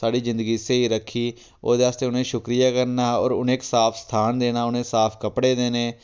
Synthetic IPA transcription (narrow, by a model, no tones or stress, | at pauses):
saːɖiːzɪ̃nd̪əɡiːseːiːɾəkʰːiː | o̰ːd̪eːaːst̪eːʊnẽːʃʊkɾijaːkəɾnaːɔ̰ːɾʊnẽːksaːpʰst̪ʰaːnd̪eːnaːʊnẽːsaːpʰkəpɽeːd̪eːnẽː